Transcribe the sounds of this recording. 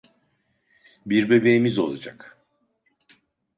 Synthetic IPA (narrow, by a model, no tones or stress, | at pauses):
biɾbe̞be̞jimizo̞̰lˠa̰d͡ʒa̰k